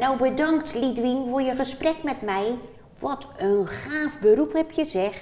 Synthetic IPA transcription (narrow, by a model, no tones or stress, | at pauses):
nowbədɔŋktʰlidʋinʋojəχəsprɛkmɛtmɛj | ʋɔtʰənxaːfbəɾuphɛpʰjəzɛx